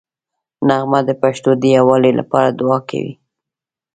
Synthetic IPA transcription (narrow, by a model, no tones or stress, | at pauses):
naɣmad̪əpaʃt̪od̪əjawɑlelʔa̰pɑɾad̪ʊɑkʰa̰wḭ